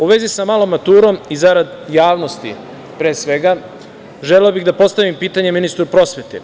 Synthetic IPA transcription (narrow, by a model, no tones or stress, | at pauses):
uʋe̞zisamalomːat̪uːɾo̞mizaɾad̪ | jaːʋno̞st̪ḭ | pɾeːsʋe̞ɡa | ʒeleobiɣd̪apo̞st̪aʋimpiːt̪aɲeminist̪ɾupɾo̞sʋe̞t̪ḛ